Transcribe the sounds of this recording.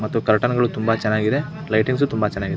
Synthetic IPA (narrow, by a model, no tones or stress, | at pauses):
mɐt̪ːukɐɾʈɐnɡɐɭut̪umbɐt͡ʃɛnːaːɡid̪e | lɐjʈiŋɡs̬ut̪umbɐt͡ʃɛnːaːɡid̪